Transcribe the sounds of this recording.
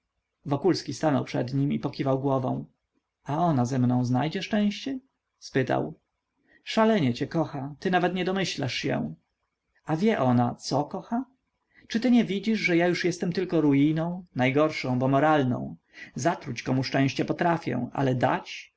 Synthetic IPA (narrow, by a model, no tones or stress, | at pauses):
vɔkulskʲist̪anɔwpʂɛ̰d̪ɲimipɔkʲivawɡwɔvɔ̰̃w̃ | aɔnazɛmnɔ̃w̃znajd͡ʑɛʂt͡ʂɛ̃w̃ɕt͡ɕɛ | spɘt̪a̰w | ʂalɛɲɛt͡ɕɛkɔxat̪ɘnavɛt̪ɲɛd̪ɔmɘɕla̰ʂɕɛ̰ | avʲjɛʔɔnat̪sɔkɔxa | t͡ʂɘt̪ɘɲɛvʲid͡ʑiʐʐɛjajuʂjɛst̪ɛmt̪ɘlkɔɾuijnɔ̃w̃najɡɔɾʂɔ̃w̃bɔmɔɾalnɔ̰̃w̃ | zat̪ɾut͡ɕkɔmuʂt͡ʂɛ̃w̃ɕt͡ɕɛpɔt̪ɾafʲjɛ̰ʔa̰lɛd̪a̰t͡ɕ